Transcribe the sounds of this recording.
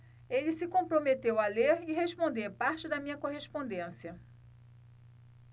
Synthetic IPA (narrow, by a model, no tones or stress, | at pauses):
elɪsɪkõpɾõmet̪ewaleɾɪɦeʃpõnd̪eɾpaɾt͡ʃɪd̪ɐmĩɲɐkoɦeʃpõnd̪ẽsiɐ